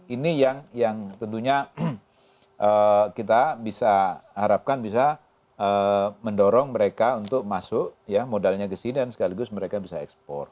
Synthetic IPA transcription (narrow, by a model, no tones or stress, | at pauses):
inijaŋjaŋt̪ənt̪̬uɲa | ʔəkit̪abisahaɾap̚kanbisa | əməndoɾɔŋməɾekaunt̪ʊk̚masʊʔjamodalɲaɡəsinidansə̥kaliɡʊsməɾekabisaɛ̰kspɔ̰r